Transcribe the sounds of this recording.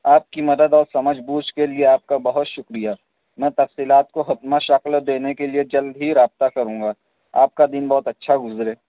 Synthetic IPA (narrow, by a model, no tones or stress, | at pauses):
aːp̚kimɐd̪əd̪ɔːɾsɐməd͡ʒʱbuːt͡ʃkelieaːp̚kabɐɦʊt̪ʃʊkɾija | mɛ̃ːt̪ɐfsiːlaːt̪koɦɐt̪maʃɐkld̪eːnekelied͡ʒɐld̪ɦiɾaːb̚t̪akɐɾũːŋɡaː | a̰ːp̚kad̪inbɔːʊt̪ɐtːʃʰaɡʊzɾeː